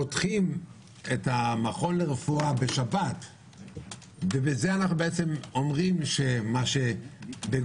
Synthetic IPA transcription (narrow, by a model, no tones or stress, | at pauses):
otχim | etamaχo̞nleʁefuabeʃabat | vebeze̞anaχnubeet͡se̞mo̞mʁimʃe̞maʃe̞be